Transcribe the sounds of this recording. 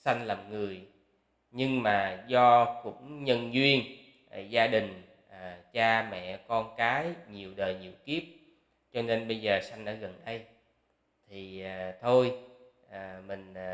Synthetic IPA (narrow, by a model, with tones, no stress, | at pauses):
sa˧jŋ̟laː˨˩mŋɨ˨˩əj | ɲɨ˧ŋmaː˨˩zɔ˧kʊ̰˧˥ŋ͡mɲə˧nzwi˧ən˨˩ | zaː˧ɗï˨˩ŋ̟ | ʔt͡ɕaː˧mɛ̰˧˨kɔ˧nkaː˨˦jɲi˨˩əwɗəː˨˩jɲḭ˧˨əwki˦˥əp̚ | t͡ɕɔ˧ne˧nɓə˧jzəː˨˩sa˧jŋ̟ɗa̰ː˧˥ɣə˨˩nɗə˧j | t̪ʰi˨˩˨t̪ʰo˧jʔəː˨˩mï˨˩ŋ̟˨˩